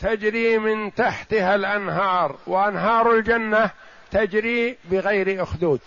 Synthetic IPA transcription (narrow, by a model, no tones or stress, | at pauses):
t̪ad͡ʒɾiːmɪnt̪aħt̪halʔanɦɑːɾˤwʔanɦɑːɾˤald͡ʒanːa | t̪ad͡ʒɾibɪɣajɾiʔʊxd̪uːd̪